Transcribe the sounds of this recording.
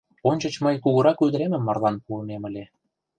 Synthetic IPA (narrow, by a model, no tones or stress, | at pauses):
onʲt͡ɕə̆t͡ɕməjkuɣuɾɑkyd̪əɾemə̆mːɑrlˠɑnpuɤnemə̆lʲe